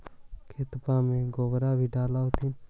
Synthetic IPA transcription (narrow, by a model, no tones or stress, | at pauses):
kʰeːt̪paːmẽːɡoːbɾaːbʱiːɖaːlaːot̪ʰɪn